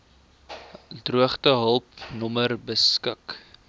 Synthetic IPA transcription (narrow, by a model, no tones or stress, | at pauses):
druəχtəɦəlˠpnɔmərbəskək